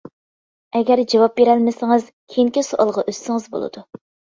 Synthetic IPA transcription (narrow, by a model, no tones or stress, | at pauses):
ɛɡʲæɾd͡ʒɑwɑp̚beɾɛlmɪsɪŋɨz̥kʲʰejŋkʲisoʔɑlˠʁɑʔøsːɪŋɨzbo̰lˠɨ̰d̪̥u